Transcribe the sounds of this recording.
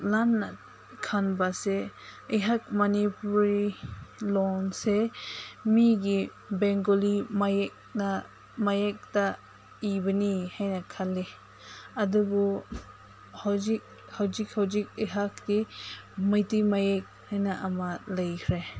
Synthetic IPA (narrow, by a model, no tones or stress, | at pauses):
lanːa | kʰanbaseəjɦak̚mɐnipuɾilɔnse | miɡi | bɛŋɡolimajk̚ | na | majek̚ta | ibɐnihajnakʰalːi | ɐduɡɔ | hawzik̚ | hawzik̚hawzik̚əjɦak̚dimajtimajek̚hajnaʔɐmalɐjkʰɾe